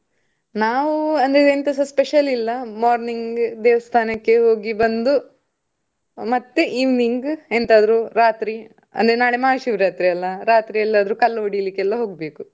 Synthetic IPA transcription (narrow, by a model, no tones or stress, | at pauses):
naːʋuɐnd̪ɐɾeent̪ɐsɐspeʃɐlilːɐmaːɾniŋɡɡd̪eːʋɐst̪ʰaːnɐkːe̞ɦo̞ːɡibɐnd̪u | mɐt̪ːeʔiːʋniŋɡent̪aːd̪ɐɾuɾaːt̪ɾi | ɐ̰nd̪ɾenaːɽemaːʃiʋɾaːt̪ɾiɐlːɐɾaːt̪ɾiɐlːaːd̪ɐɾukɐlːɐʋoɽijlikːɛlːɐɦo̞ːɡbeːku